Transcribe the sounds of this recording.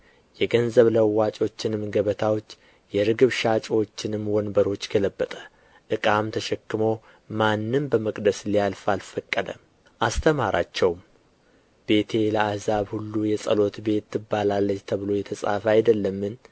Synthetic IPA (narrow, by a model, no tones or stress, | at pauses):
jɛɡənzəβləwːat͡ʃʼo̞t͡ʃːɪnɨmɡəβət̪ʰawot͡ʃː | jɛɾɨɡɨβʃat͡ʃʼwot͡ʃːɪnɨmːwɔnbəɾo̞t͡ʃːɡʰələbːət̪ʼə | ʔɨkʼamt̪ʰəʃɛkːɨmo̞ | manːɨmbəməkʼd̪əslialfalfəkʼːəd̪ə | ʔast̪ʰəmaɾa̰t͡ʃːɛwm | be̞t̪ʰe̞ləahzaβhulːujɛsʼə̰lo̞t̪be̞t̪ːɨbːalalːət͡ʃt̪ʰəβɨlo̞jɛt̪ʰəsʼa̰fajd̪əlːəmːɨn